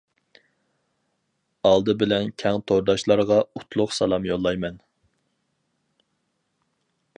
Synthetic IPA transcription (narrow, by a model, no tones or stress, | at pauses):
ɑlˠd̪ɨbɪlɛnkʲʰɛŋt̪ʰoɾd̪ɑʃlˠɑɾʁɑut̪ʰlˠʊqsɑlˠɑmjolˠːɑjmɛn